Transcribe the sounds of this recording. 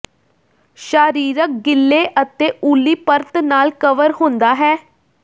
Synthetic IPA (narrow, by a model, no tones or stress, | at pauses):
ʃaːɾiːɾək̚ɡɪlːeːʔət̪eːuːlːiːpəɾt̪naːlkəʋəɾɦʊ̃ːnd̪aːɦɛː